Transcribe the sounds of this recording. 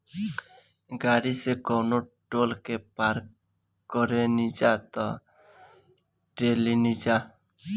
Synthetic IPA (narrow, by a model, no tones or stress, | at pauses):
ɡaɾisekɔwno | ʈolkepaɾ | kɔɾenid͡ʒat̪ɔ | ʈelinid͡ʒa